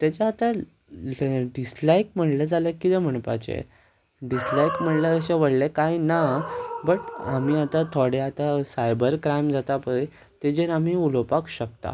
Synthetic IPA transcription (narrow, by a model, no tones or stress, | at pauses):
t̪jat͡ɕaːt̪a | ɖislajkm̤əɳləd͡zalekːit̪ɛm̤əɳpa̰t͡ɕḛ | ɖislajkm̤əɳlaəɕeʋəɽlekajnabəʈamiːat̪at̪ʰoɽeat̪asajbəɾkɾajmd͡zat̪apəe | t̪ed͡ʑeɾamiːulopakɕək̚t̪a̰